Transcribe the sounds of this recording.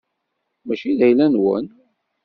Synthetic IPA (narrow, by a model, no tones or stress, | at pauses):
mæʃiðæjlænwə̰n